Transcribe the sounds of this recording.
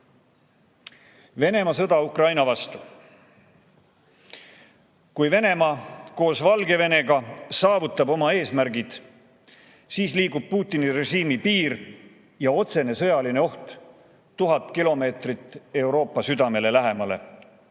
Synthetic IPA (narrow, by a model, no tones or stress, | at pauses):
ve̞ne̞mɑsɤd̪ɑukrɑjnɑvɑst̪u̥ | kujve̞ne̞mɑko̞ːsvɑlɡe̞ve̞ne̞ɡɑsɑːvut̪ˑːɑbo̞mɑe̞ːsmæɾɡid̪̥ | siːsliːɡub̥̚puːt̪ˑːinire̞ʑiːmipiːɾ | jɑo̞t̪se̞ne̞sɤjɑline̞o̞ht̪ | t̪ːuɦɑt̪ˑkilo̞me̞ːt̪rit̪ːˑe̞wɾo̞ːpːˑɑsyd̪̥ɑme̞le̞læɦe̞mɑle̞̰